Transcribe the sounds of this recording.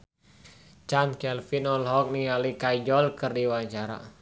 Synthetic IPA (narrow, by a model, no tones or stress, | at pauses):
t͡ʃankɛlfinɔlɦɔk̚nialikajd͡ʒɔlkɨrdiwaɲt͡ʃaɾa̰